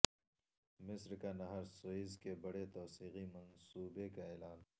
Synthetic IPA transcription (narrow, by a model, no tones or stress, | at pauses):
mɪsɾkanɐɦəɾsoizkebɐɽet̪ɔːsiːqimɐnsuːbekaeːlaːn